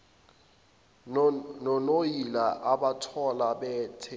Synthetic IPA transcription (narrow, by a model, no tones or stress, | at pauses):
nɔnojilaʔaɓatʰɔlaɓɛːtʰɛ